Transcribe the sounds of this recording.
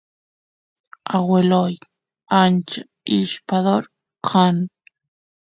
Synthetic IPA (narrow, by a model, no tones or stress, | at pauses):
aweloj | ant͡ʃa | iʃpaðoɾ | qʰan